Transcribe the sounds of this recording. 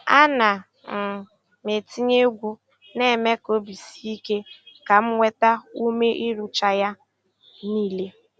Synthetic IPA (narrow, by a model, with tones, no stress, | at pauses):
a˦na˨ | m̩˨ | me˨ti˦ɲe˦ɡʷu˦ | ne˦˨me˦ko˦bi˨si˦i˦ke˦ka˨m̩˦ŋʷe˦ta˦u˦me˦ʔi˦ɾu˦t͡ʃa˦ja˦ | niː˦le˦